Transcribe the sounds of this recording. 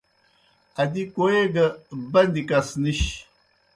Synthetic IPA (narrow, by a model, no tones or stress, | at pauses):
ɐd̪ikoeɡɐbɐnd̪ikasniɕ